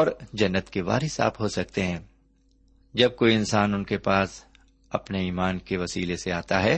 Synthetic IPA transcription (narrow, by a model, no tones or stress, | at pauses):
ɔːɾd͡ʒɐnːət̪keʋa̰ːɾɪsa̰ːpɦosɐk̚t̪eɦɛ̃ː | d͡ʒɐb̚koːiɪnsaːnʊnkepaːs | ɐpneiːmaːnkeʋɐsiːleseaːt̪aɦɛː